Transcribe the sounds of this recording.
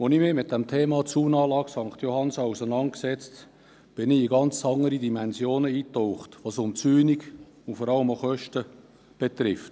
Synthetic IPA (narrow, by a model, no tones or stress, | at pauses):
ʋonimɪmɪt̚d̥ɛmtʰeːmɑt͡suːnɑːlɑːɡsɑŋχt̪johɑnsɑusənɑntksɛt͡st | b̥ɪnɪiɡɑnt͡sɑŋəɾidimɛnzjoːnəiːtoʊχtʋosʊmt͡syːniɡ | ʊnfɔɾɑləmoχœʃtə | b̥et̪ɾɪft